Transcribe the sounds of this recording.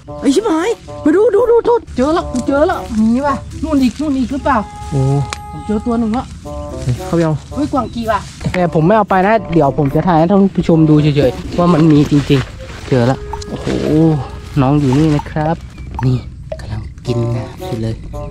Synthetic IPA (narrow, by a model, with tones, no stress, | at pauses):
ʔa˧˩˨si˧˥maː˨˦jma˧˩jduː˧˨duː˧˥duː˧˦t̪ʰoː˧˥˩t̪̚t͡ɕɤː˧lɔ˧˩wkʰu˧˦t͡ɕɤː˧lɔ˧˩ʔmiː˧˦waː˧˩nuː˥˩nʔiː˨˩k̚nuː˥˩nʔiː˨˩k̚lɯ˦˥˩paː˨˩wʔoː˨˩˨ | t͡ɕɤː˧t̪u˧ɐnɯ˨˩ŋlɔ˧˦ʔa˧˩jkʰa˧˩jʔa˧whoː˧˥˨jkwaː˨˩ŋkiː˧˩baː˧˩t̪ɛː˨˩pʰo˨˦mːa˥˩jʔa˧wpa˧jna˦˥di˨˩˦əwpʰo˨˩˦mt͡ɕa˨t̪ʰaː˧˩ha˧˦˩t̪ʰa˥˩˨u˧˥˩pʰa˧˩t͡ɕʰo˧mduː˧t͡ɕʰi˧˦t͡ɕʰɤː˨˦jʰwaː˥˩ma˧nmiː˧t͡ɕi˧ŋt͡ɕi˧ŋ | t͡ɕɤː˧la̰˧˩ʔʔo˧ho̰ː˧˨˩nɔː˦˥˩ŋjuː˨˩niː˧˥˩na˦˧˥kʰɾa˦˥p̚niː˧˩ | ka˧mla˧˩ŋki˧nnaː˧˩msʰi˧˩lɤː˧j